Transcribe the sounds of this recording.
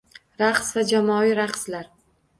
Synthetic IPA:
ɾaqsvad͡ʒamɒiɾaqslaɾ

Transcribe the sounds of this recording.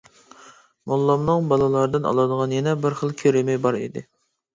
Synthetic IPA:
molˠːɑmnɨŋbɑlˠɨlˠɑɾd̪ɨnɑ̰lˠɑd̪əʁɑnjɛnɛbɪɾχəlˠkʲʰøɾɪmɛjbɑɾḭd̪ɪ̰

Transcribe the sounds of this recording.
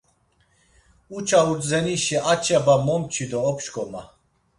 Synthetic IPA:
ut͡ʃʰaud͡zzɛniʃɛʔat͡ʃʰɛbamɔmt͡ʃʰid̪ɔːpʰʃkʼɔma

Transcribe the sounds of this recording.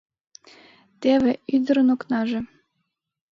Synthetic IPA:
t̪eβĕyd̪əɾənoknɑʒĕ

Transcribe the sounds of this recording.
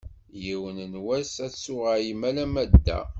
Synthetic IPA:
jiwənənwæsæsʊʁajimælæmæd̪ːæ̰

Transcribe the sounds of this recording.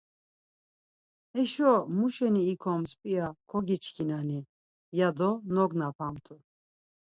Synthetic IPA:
ɛʃɔmuʃɛniːkʰɔmspʼiakʰɔɡit͡ʃʰkʰinani | jad̪ɔnɔɡnapʰamt̪ʰu

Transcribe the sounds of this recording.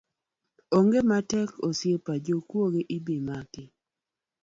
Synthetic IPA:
oŋɡematɛkosjepad͡ʒokwoɡeʔibimakɪ

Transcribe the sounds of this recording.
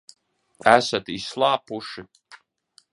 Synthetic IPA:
æsat̪islˠaːpuʃi

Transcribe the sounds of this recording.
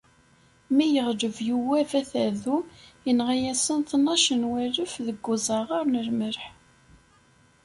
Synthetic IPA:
mijəʁd͡ʒəvjuwævæθæðumjənʁæjæsənθnːɑʃənwæɾəfðəɡːʊzˤɑʁaɾnəɾməɾħ

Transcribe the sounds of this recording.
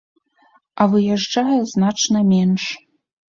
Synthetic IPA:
ɐvɨjaʐd͡ʐajɐznat͡ʂnɐmʲɛnʂ

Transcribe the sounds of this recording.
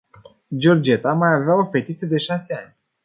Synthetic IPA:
d͡ʒord͡ʒe̞t̪amajaveao̞fe̞t̪it̪sijed̪e̞ʃaseanʲ

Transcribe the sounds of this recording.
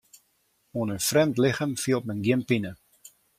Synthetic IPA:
onənfrɛmtlɪxəmfiəlˠtmənɡjɪmpinə

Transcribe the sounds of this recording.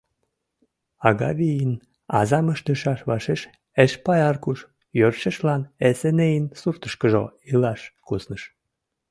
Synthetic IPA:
ɑɣɑβijin | ɑ̰zɑməʃd̪əʃɑʃβɑʃeʃ | eʃpɑjɑrkuʃ | jørʃəʃlɑnesenejinsurt̪əʃkəʒoilɑʃkusnəʃ

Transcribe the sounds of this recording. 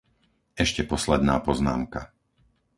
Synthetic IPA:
ɛʃcɛpɔslɛd̪naːpɔzna̰ːmka

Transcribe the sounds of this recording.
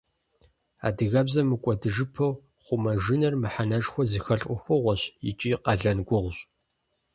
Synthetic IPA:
a̰ːdɨɣɐbzɐmɨkʷʼɔdɨʒɨpʰɐw | χʷʊmɐʒɨnɐrmɨħanɐʒxʷɔzixɐɬʼʷʊxʷoʁʷɔɕjɪ̰t͡ʃʼiːqɐɮɐnɡʷʊʁʷɕʼ

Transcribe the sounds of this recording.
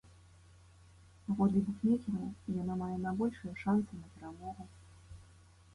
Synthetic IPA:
paɣɔd̪lʲibukʲmʲekʲɛɾɐmijanamajɛnabɔlʲʂɨjɛʂant̪sɨnɐpʲɛɾamɔɣu

